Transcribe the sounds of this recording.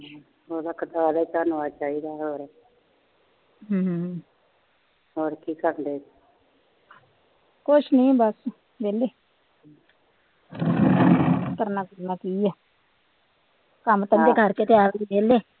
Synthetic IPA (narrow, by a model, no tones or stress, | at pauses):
oːd̪aːkəd̪əaːd̪aːit̪aːnːaːt͡ʃaːiːd̪aːɦoːɾɛ | ɦ | ɦoːɾkiːkəɾnd̪eː | kʊt͡ʃʰnĩːbəs | beːleː | k̪əɾnaːkəɾnaːkiːjaː | kəmt̪əeːkəɾkeːt̪ejaːɾd̪ibeːleː